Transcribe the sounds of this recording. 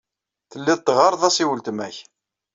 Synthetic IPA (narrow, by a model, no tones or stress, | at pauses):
θəlːɪðt̪ːʁɑɾˤðˤæsiwəlt̪mæç